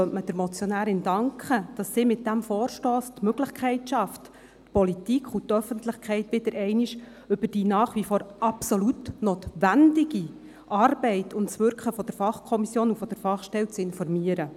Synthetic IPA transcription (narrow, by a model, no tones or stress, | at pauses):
œməd̥əɾmɔt͡sjɔnæːɾɪndɑŋkχəd̥ɑsːiːmɪt̚d̥æmfɔːrʃtɔːst̪møɡ̥ləχkʰχɛɪtʃɑft | pʰɔlitikʰχutœfənt̪lɪχkχɛɪtʋɪd̥̪əɾʔɛɪniʃ | ʏbərd̥iːnɑːχʋifoːɾʔɑpsɔlutnoːt̪ʋændɪɡi | ʔɑrbɛɪtʰʊntsʋʏɾkχəfɔd̥əɾfɑχkʰɔmisjoːnufɔd̥əɾfɑχʃtɛlt͡sɪnfɔrmiəɾə